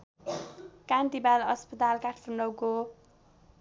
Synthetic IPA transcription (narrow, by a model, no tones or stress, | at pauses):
kant̪ibalʌspʌt̪alkaʈʰpʰunɖʌwko